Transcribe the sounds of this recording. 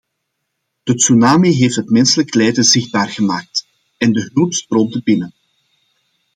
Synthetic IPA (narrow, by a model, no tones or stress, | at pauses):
d̥ətsunaːmiɦeːftɦətmɛnsələklɛːdəzɪxdaːrɣəmaːk̚t | ɛndəɦɵlˠpstroːb̚dəbɪnən